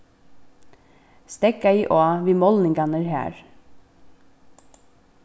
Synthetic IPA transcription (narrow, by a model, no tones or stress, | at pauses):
st̪ɛkːaiːʔɔːʋiːmɔlnɪŋkanəɾɦæ̰ːɹ